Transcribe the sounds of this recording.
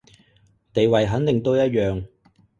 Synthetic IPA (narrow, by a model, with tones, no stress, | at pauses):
t̪e˨jwɐ˨˩jɦɐ˨˥nt̪ɪ˨ŋt̪o˥wjɐ˥t̚jœː˨ŋ